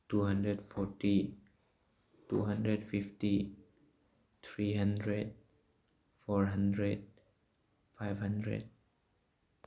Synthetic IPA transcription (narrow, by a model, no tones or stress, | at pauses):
tuɦʌ̃ndɹɛdfɔti | tṵɦʌ̃ndɾɛdfifti | t̪ʰɹiɦʌ̃ndɹed̚ | fɔɹɦʌ̃ndɹed̚ | fajvhʌ̃ndɹḛd̚